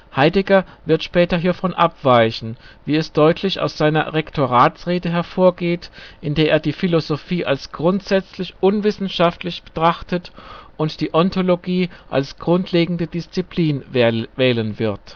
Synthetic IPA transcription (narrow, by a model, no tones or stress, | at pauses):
haɪdɛɡɐvɪɐtʃpɛːtɐɦiːɐfɔnʔapv̥aɪçn̩viːɛsd̥ɔʏtʰlɪça̰ʊsz̥aɪnɐ̰ʁɛktʰoʁaːtsʁeːdəɦɛɐfoːɐɡeːtʔɪndeːɐʔeːɐdiːfilozofiːʔalsɡ̥ʁʊntz̥ɛt͡slɪçʔʊnvɪsn̩ʃaftlɪçb̥ə̥tʁ̥aχtətʔʊntd̥iːʔɔntʰoloɡiːʔa̰lsɡ̥ʁʊntʰleːɡŋ̩dədɪst͡sipliːnvɛːlənvɪɐt